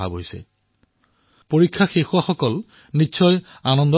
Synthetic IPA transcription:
a̰bɦojsɛ̰ | poɹikʰːaxexʊwaxɔkɔl | nitːsʰɔj | anɔnd̪ɔ

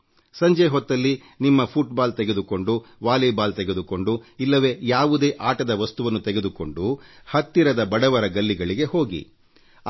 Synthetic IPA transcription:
sɐɲd͡ʒeɦɔt̪ːɐlːi | nimːɐpʰuʈbaːlt̪ɛɡe̞d̪uko̞ɳɖuʋaːlibaːlt̪ɛɡe̞d̪uko̞ɳɖuilːɐʋe̞ːjaːʋud̪e̞ːʔaːʈɐd̪ɐʋɐst̪uʋɐnːut̪ɛɡed̪uko̞ɳɖuhɐt̪ːiɾɐd̪ɐbɐɽɐʋɐɾɐɡɐlːiɡɐɭiɡe̞ho̞ːɡḭ

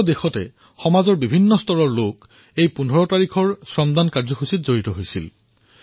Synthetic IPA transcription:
dexɔtɛ̰ | xɔmazɔɹbibʱinːɔstɔɹɔɹlok | ejpundʱɔɹɔtaɹikʰɔɹsɹɔmd̪ankaɹzɔxusitzoɹitɔɦojsḭl

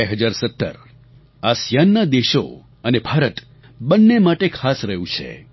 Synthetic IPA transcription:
eɦəd͡ʒaɾsət̪ːə̰ɾ | asjanːad̪eʃo̰ | ənebʱaɾət̪ | bənːemaʈekʰasɾəɦũt͡ʃʰḛ

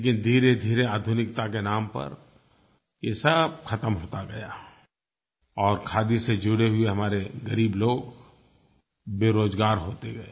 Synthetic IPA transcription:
leːk̬ɪnd̪ʱiːɾed̪ʱiːɾeaːd̪ʱʊnɪk̚t̪akenaːmpɐ̰ɾ | jesəbxʰɐt̪əmɦoːt̪aɡɐja | ɔːɾkʰaːd̪ised͡ʒʊɽeɦʊeɦɐmaːɾeɡɐɾiːbloːɡ | beːɾoːzɡaːɾɦoːt̪eɡɐe

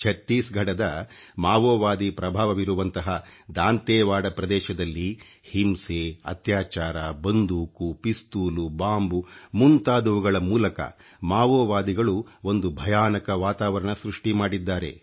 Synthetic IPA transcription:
t͡ʃʰɐt̪ːiːsɡʱɐɽɐd̪ɐmaːʋoːʋaːd̪ipɾɐbʱaːʋɐʋiɾuʋɐnt̪ɐɦɐd̪aːnt̪ɛːʋaːɽɐpɾɐd̪ɛːʃɐd̪ɐlːi | himseɐ̰t̪jaːt͡ʃaːɾabɐnd̪uːkupist̪uːlubaːmbumunt̪aːd̪uʋuɡɐɭɐmuːlɐkɐ̰ | maːʋoːʋaːd̪iɡɐɭuo̞nd̪ubʱɐjaːnɐkɐʋaːt̪aːʋɐɾɐɳɐsɾuʂʈimaːɽid̪ːaːɾe̞̰

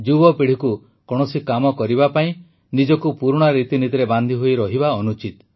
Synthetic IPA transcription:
d͡ʒubɔpeɽ̤iku | kɔɽ̃ɔsikamɔkɔɾibapaĩ | nid͡ʒɔkupuɾɽ̃ɔɾit̪init̪iɾeband̪ʱiɦojɾɔɦiβaɔnut͡ʃit̪

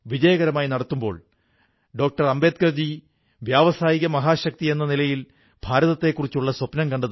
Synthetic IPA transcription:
ʋid͡ʑɐjɐɣɐɾɐmaːjinɐɽɐt̪ːumbo̞ːɭ | ɖo̞ːk̚ʈɐrɐmbe̞ːt̪̚kɐrd͡ʑi | ʋjaːʋɐsaːjiɣɐmɐɦaːɕɐk̚t̪ie̞nːɐnilɐjil | b̥ʱaːɾɐðɐt̪ːe̞kːurit͡ɕːuɭːɐswɐpnɐmkɐɳɖɐðɨ

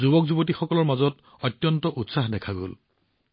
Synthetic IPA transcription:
zubɔk̚zubɔtixɔkɔlɔɹmazɔt | ɔtːjɔntɔʔutsaxdɛkʰaɡo̰l

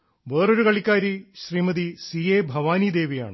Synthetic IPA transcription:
ʋeːro̞ɾukɐɭikʲːaːɾiɕriːmɐd̪isiːeːbʱɐʋaːnid̪eːʋija̰ːɳɨ

